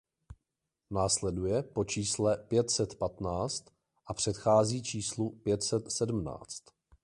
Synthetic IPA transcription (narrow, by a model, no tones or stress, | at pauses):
naːslɛdujɛpot͡ʃiːslɛpjɛt̪sɛt̪pat̪naːt͡st̪ | ʔapr̝̥ɛt̪xaːziːt͡ʃiːslupjɛt̪sɛt̪sɛdm̩na̰ːt͡st̪